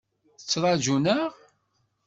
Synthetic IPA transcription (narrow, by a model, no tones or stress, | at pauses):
θət͡sːɾˤɑʒunəʁ